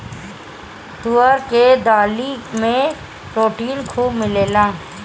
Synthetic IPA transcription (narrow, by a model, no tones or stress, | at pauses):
t̪uəɾked̪aːlimẽ | pɾoːʈiːnkʰuːbmɪleːlãː